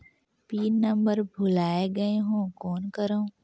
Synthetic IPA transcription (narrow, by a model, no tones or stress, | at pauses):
piːnnɐ̃mbəɾbʱʊlaːeɡɐeɦõːkɔːnkɐɾo